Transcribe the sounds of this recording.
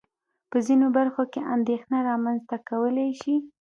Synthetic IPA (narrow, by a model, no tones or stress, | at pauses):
pəzinobaɾxokeʔand̪exnaɾɑmanzt̪akawəlajʃi